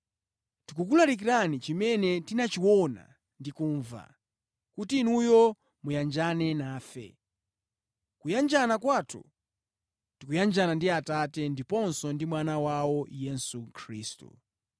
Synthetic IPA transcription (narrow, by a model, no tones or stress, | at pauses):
tikuk̬ulaɾik̬iɾanit͡ʃimɛnɛtinat͡ʃiwɔna̰ | ndikuːɱva̰ | kutinujɔ | mujand͡ʒanɛnaːfɛ̰ | kujand͡ʒanakwaːtʰṵ | tikujand͡ʒanandiatatɛndipɔnsɔndimwanawawɔjɛsukʰɾiːstṵ